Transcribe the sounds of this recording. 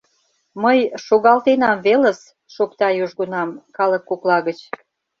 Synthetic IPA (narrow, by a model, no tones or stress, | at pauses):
məjʃoɣɑlt̪enɑmveləs | ʃokt̪ɑjuʒɣunɑmkɑləkːuklɑɣət͡ɕ